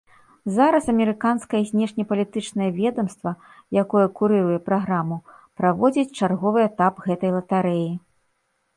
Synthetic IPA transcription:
zaɾɐsɐmʲɛɾɨkanskɐjɐzʲnʲɛʂnʲɐpɐlʲit̪ɨt͡ʂnɐjɐvʲɛd̪ɐmst̪vɐ | jakɔjɐkuɾɨɾujɛpɾaɣɾamu | pɾavɔd͡zʲit͡sʲt͡ʂarɣɔvɨɛt̪apɣɛt̪ɐjlˠɐt̪aɾɛji

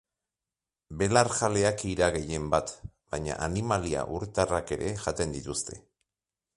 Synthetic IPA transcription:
be̞laɾxale̞akiɾaɣe̞je̞mbat̪ | b̥ajɲa̰ʔanimalia̰ʔuɾt̪arake̞ɾʔe̞ʝat̪e̞nd̪it̪ust̪ʰe̞̥

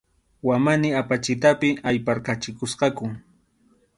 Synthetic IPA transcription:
wamanɪapat͡ʃɪt̪apɪajpaɾkat͡ʃɪkʊsqɑkʊ

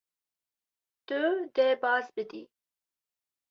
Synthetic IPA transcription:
d̪̥əd̪ebɑːzbəd̪i

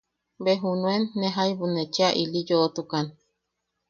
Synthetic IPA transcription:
beɦunuenːeɦaiβunet͡ʃiaʔilijoʔt̪ukan

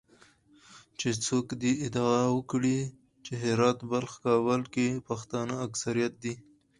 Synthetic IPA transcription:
t͡ʃet͡sokd̪iɪd̪ɑawəkɽi | t͡ʃeɦɪɾɑt̪balxkɑwəlkepaxt̪ɑnəaksaɾijat̪̚d̪i

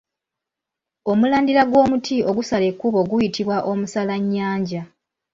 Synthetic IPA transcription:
o̞mulaːndiɾaɡwo̞ːmutʰio̞ɡusale̞kːuβo̞ɡujitiβwaʔo̞musalaɲːaːɲɟa

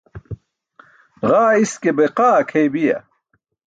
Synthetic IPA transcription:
ɣaːiskebeqaːkʰejbijɐ̰

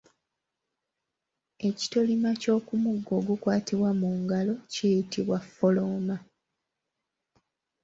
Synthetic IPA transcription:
e̞ci̥to̞limaco̞ːkumuɡːo̞ɡukwaːtiβwamuːŋɡalo̞ceːjitiβwafːo̞lo̞ːma

